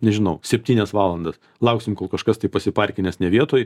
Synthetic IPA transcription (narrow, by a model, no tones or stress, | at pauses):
nʲɛʒʲɪnɐʊsʲɛpʲt̪ʲiːnʲɛsʋɑːlˠɐnd̪ɐs | lˠɐʊksʲɪmkoːlˠkɐʃkɐst̪ɐɪpɐsʲɪpɐrʲkʲɪnʲɛsnʲɛʋʲiɛt̪oːj